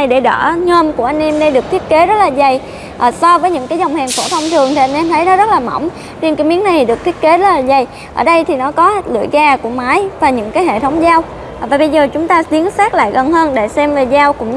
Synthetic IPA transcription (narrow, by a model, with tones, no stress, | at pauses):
jɗe˧˩ɗə̰ː˧˩ɲəː˧mku˧˩əʔa˧jŋ̟ʔɛ˧mɗe˧ɗɨ˨˩ək̚t̪ʰi˦˥ət̚ke˨˦zə˦˥laː˨˩za˨˩j | ʔːsɔ˧vəː˨˦jɲɨ̰˧˥ŋkaː˨˦jzɔ˨˩wŋ͡mhɛː˨˩ŋfo˧˩t̪ʰə˧wŋ͡mt̪ʰɨ˨˩əŋt̪ʰi˨˩ʔa˧jŋ̟ʔɛ˧mt̪ʰə˨˦jnɔ˨˦zə˦˥t̚laː˨˩mə̰˧˩wŋ͡m | t͡ɕe˧nkaː˨˦jmi˨˦əna˨˩jt̪i˨ɗɨ˨˩k̚t̪ʰi˦˥ət̚ke˨˦zə˦˥t̚laː˨˩za˨˩j | ʔəː˧˩ɗə˧jt̪ʰi˨˩nɔ˨˦kɔ˨˦lɨ̰˧˨əjɣaː˧˩ku˧˩əmaː˨˦jvaː˨˩ɲɨ̰˧˥ŋkaː˨˦jɦḛ˧˨t̪ʰə˨˦wŋ͡mzaː˧w | vaː˨˩ɓə˧jzəː˨˩t͡ɕʊ˨˦ŋ͡mt̪aː˧t̪i˨˦ənsaː˦˥k̚la̰ː˧˨jɣə˨˩nɦəː˧nɗe˧˩sɛ˧mve˨˩zaː˧wkʊ̰˧˥ŋ͡m